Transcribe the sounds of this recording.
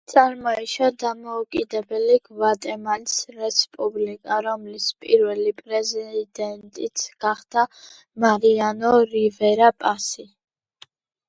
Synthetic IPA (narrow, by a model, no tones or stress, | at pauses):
t̪sʼaɾmɔɛʃad̪amɔukʼid̪ɛbɛliɡvat̪ʼɛmalisɾɛspʼublikʼaɾɔmlispʼiɾvɛlipʼɾɛzid̪ɛnt̪ʼit̪sʰɡ̥aχd̪a | maɾianɔɾivɛɾapʼasi